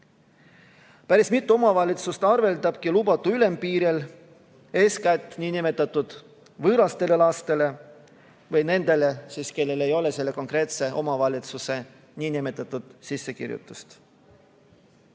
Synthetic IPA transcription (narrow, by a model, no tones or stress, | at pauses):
pæɾismit̪ːˑuo̞mɑvɑlʲit̪sust̪ɑrve̞ld̪ɑb̥kilubɑt̪ːˑuyle̞mpiːɾel | e̞ːskæt̪ːˑnʲiːnime̞t̪ːˑɑt̪ːˑud̪̥ | vɤːɾɑst̪e̞le̞lɑst̪e̞le̞ | vɤjne̞nd̪̥e̞le̞siːske̞lːe̞le̞jo̞le̞se̞lːeko̞ŋkre̞ːt̪se̞ʔo̞mɑvɑlʲit̪suse̞ | nʲiːnimet̪ːˑɑt̪ːˑud̪̥sisːe̞kḭɾjṵt̪ːˑust̪